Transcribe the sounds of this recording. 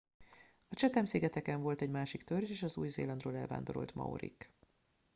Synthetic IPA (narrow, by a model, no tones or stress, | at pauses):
ɒt͡ʃɛt̪ɛmsiːɡɛt̪ɛkɛɱvo̞lt̪ɛɟmaːʃikt̪ørd͡ʒeːʃɒzuːjzḛːlɒnd̪roːlɛlva̰ːnd̪o̞ɾo̞̰lt̪mɒ̰o̰ɾḭk